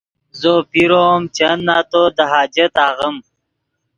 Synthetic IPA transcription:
zopiɾomt͡ʃɐnːat̪od̪əɦɑːd͡ʒɐt̪aːɣəm

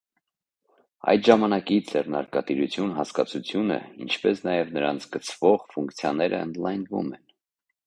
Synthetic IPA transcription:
ɑ̰jd̪ʒɑmɑnɑkid͡zɛrnɑɾkɑt̪iɾut͡sʰjunɦɑskɑt͡sʰut͡sʰjunə̰ḭnt͡ʃʰpɛsnɑjɛvnəɾɑnt͡sʰɡət͡sʰv̥ɔʁfuŋkt͡sʰjɑnɛɾʔəə̰nd̪lɑjnvṵmɛn

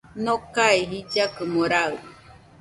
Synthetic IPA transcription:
nokaeɦid͡ʒakɨmoɾaɯ

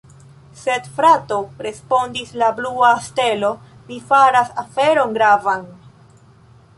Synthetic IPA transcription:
se̞dfɾato̞ɾe̞spo̞ndislabluaste̞lo̞ | mifaɾasafe̞ɾo̞nɡɾavan

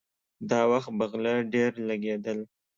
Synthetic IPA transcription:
d̪ɑwaxt̪̚baɣlaɖeɾlaɡed̪əl

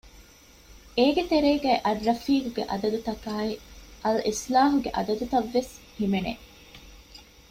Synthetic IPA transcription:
eːɡet̪eɾeːɡæːʔɐrːɐfiːkuɡḛʔɐd̪ɐd̪ut̪ɐkaːiʔɐlʔislaːɦuɡeʔɐd̪ɐd̪ut̪ɐʋːeshimenḛ

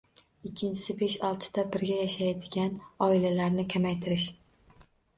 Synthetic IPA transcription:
ɪkʲʰːɪnt͡ʃʰɪ̥sɪbeʃɒlˠt̪ʰɪ̥d̪̥abɪɾɡʲajaʃajd̪ɪɡʲanɒɪlalaɾnɪkʲʰamajt̪ʰɪɾɪʃ

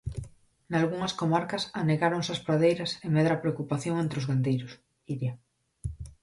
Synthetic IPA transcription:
nalɣuŋɐskomaɾkɐsaneɣaɾoŋsɐspɾaðejɾɐsemeðɾapɾeokupaθjoŋent̪ɾɪozɣand̪ejɾʊs | iɾja

